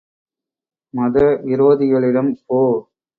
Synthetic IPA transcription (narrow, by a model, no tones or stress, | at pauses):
mɐðɐɪɾoːðɪɣɐɭɪɽɐmpoː